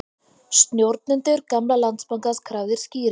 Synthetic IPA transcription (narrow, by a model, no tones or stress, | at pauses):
st̪njowɾt̪̚nʏnt̪ʏɾkamlalant̪spaŋkaskʰɾaːwðɪɾ̥sciːɾ